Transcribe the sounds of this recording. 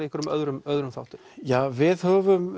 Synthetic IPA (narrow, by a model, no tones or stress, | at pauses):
ihkʏɾʏmœðɾʏmœðɾʏmθa̰wht̪ʏ̥ | javɪðhœːvʏm